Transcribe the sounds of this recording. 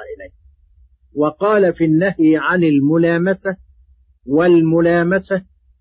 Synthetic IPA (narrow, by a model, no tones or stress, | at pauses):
ʔɪlajh | wɑqɑːlafinːahjɪʕanalmʊlaːmasa | walmʊlaːmasa